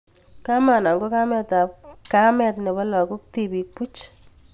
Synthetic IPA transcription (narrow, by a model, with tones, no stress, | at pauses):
ka˦ma˨na˨ŋɡo˦ka˦mɛ˦ta˨ka˦mɛ˨tnɛ˨bɔ˦lɔ˨kʊ˦k̚ti˨bi˨k̚pu˦t͡ʃ